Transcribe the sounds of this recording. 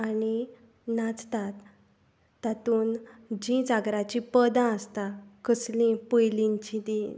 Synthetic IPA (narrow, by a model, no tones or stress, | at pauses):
aɽ̃i | nad͡zt̪at̪ː | at̪uːnd͡ʑĩd͡zaɡɾat͡ɕĩpəd̪ãəst̪akəslĩpəjliɲt͡ɕĩt̪i